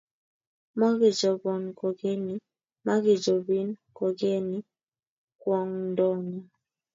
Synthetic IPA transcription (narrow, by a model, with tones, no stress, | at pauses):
mɔ˦ɡɪ˨d͡ʒɔ˨bɔ˨nko˨ɡe˦ni˦ | ma˦ɡɪ˨d͡ʒo˨bi˦nko˨ɡe˦ni˦ | kwɔ˦ŋ˦dɔ˦ni˨